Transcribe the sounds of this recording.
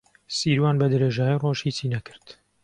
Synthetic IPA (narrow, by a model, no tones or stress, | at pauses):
siːɾwaːnbɐd̪ɨɾeːʒaːjiroːʃhit͡siːnɐkʰɨ̥ɾt̪